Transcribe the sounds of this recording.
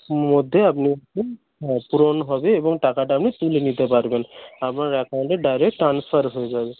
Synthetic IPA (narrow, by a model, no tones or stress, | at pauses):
mod̪ʱeapniaku | puɾonɦɔbeːbɔŋʈakaʈaapnit̪ulenit̪epaɾbenapnaɾɛkawɳʈɛɖajɾek̚ʈʈːɾanspʰaɾɦojzabe